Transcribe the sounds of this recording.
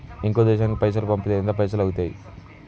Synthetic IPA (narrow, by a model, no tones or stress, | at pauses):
iŋkoːd̪ɛːʃaːnikipɐjs̬ɐlupɐmpɐeind̪apɐjsɐlɐwut̪aːji